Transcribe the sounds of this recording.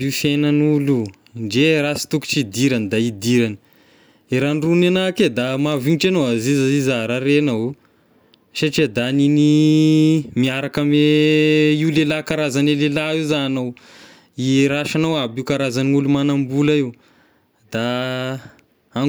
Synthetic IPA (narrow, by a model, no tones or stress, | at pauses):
ifenanulu | ɳɖ͡ʐeɾasi̥t̪uku̥t͡ʃid̪iɾanid̪aid̪iɾani̥ | iɾanrunanaked̪amavinʈ͡ʂanowazizazizaɾaɾenau | ʃaʈ͡ʂid̪anini | miaɾakame | ilelakaɾazanelelaiwzanow | iɾaʃanowabiukaɾazanulumanambulaiw | d̪̥a | aŋ